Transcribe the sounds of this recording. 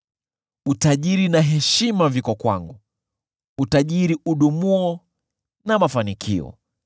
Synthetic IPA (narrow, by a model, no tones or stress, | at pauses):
utaʄiɾinaɦɛʃimavikɔkwa̰ŋɡu | utaʄiɾiʔuɗumuɔ | namafanikʰiɔ̰